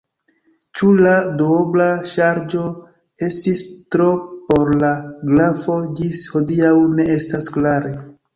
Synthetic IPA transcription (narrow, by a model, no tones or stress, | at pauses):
t͡ʃuladooblaʃaɾd͡ʒo̞ | e̞stistɾo̞po̞ɾlaɡlafo̞d͡ʒisho̞diawne̞e̞stasklaɾe